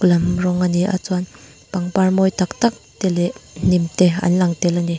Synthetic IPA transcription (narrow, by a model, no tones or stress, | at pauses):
klamrɔŋaniʔa̰t͡swan | paŋpaɹmɔjt̪ak̚t̪ak̚t̪elen̥imt̪ea̰nlaŋt̪ɛlani